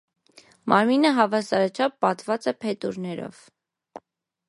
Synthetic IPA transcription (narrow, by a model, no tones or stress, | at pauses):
mʔɑɾminəɦɑvɑsɑɾɑt͡ʃʰɑpːɑt̪vɑt͡sɛpʰɛt̪uɾnɛɾɔ̰v